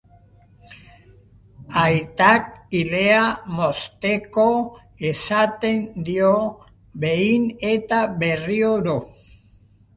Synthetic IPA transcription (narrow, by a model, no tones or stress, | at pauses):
ajt̪akile̞amo̞st̪e̞ko̞ | esat̪e̞nd̪io̞ | βe̞ine̞t̪aβe̞rioɾo